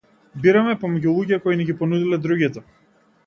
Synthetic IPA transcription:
biɾamɛpɔmɛɟulˠuɟɛkɔiniɡʲipɔnud̪ilɛd̪ɾuɡit̪ɔ

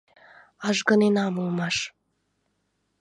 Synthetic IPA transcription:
ɑʒɡə̆nenɑmulˠmɑʃ

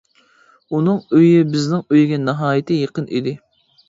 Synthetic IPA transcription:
unɨŋøjɪbɪznɪŋøjɡʲɛnɨɦɑːjɪt̪ʰɨjeqənʔḭd̪ɪ

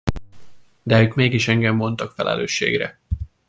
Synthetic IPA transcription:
d̪ɛøːkmeːɡiʃɛŋɡɛmːo̞nt̪ɒkfɛlʔɛ̰lø̰ːʃːḛːɡrɛ̰

